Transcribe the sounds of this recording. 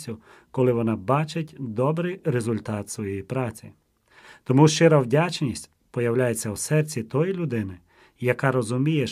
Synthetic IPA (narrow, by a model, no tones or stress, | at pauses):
ʊ | kɔlˠɪʋɔnɑbɑt͡ʃɪtʲd̪ɔbɾɪjɾezʊlʲt̪ɑt̪sʋɔjɛjipɾɑt͡sʲi | t̪ɔmuʃt͡ʃɪɾɐwdʲat͡ʃnʲisʲtʲ | pɔjɐwlʲajet͡sʲːɐwsɛrt͡sʲit̪ɔjilʲʊd̪ɪnɪ | jɐkɑɾɔzʊmʲije